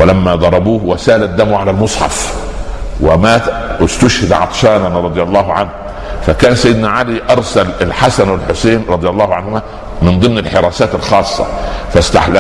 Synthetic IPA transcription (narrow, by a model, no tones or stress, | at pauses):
wɪlæmːæd̪ˤɑɾˤɑbuːhwæsæːʔlæd̪ːæmʕalælmʊsˤħɑ̰f | wɪmæːt̪ɪst̪ʊʃhɪd̪ʕɑ̰t̪ˤʃæːnanɾˤɑd̪ˤɨjɑlˤːɑːɦʕanh | fækæːnsæjɪd̪næʕaliʔɑɾˤsælɪlħasænwalħoseːnɾˤɑd̪ˤɨjɑlˤːɑːhʕanhʊmæ | mɪnd̪ˤɨmnɪlħeɾˤæːsæːt̪ɪlxɑːsˤːɑ̰fæst̪a̰ħl